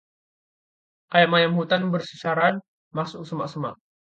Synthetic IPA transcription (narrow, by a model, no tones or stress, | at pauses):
ʔʔajaʔmajamhut̪anbərsisaɾan | masʊk̚səmaʔsəma̰ʔ̚